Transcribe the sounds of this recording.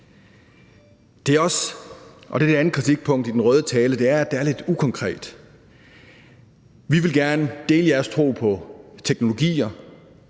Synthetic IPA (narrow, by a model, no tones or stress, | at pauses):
d̥e̝æɐɒ̽s | ʔɒ̽d̥e̝d̥eænð̩kʰʁit͡sʰiɡ̥̚pʰɔ̽ŋ̰d̥id̥enʁœːð̞ˠət͡sʰɛːləd̥e̝æɐæd̥eæɐle̝d̥ukʰɒ̽ŋkʰʁɛ̰ːd̥ | ʋiʋe̝lɡ̥æɐnəd̥e̝ːləjæɐst͡sʰʁo̝̰ːpʰɒ̽t͡sʰeɡ̥no̝lo̝ɡ̥ḭːɐ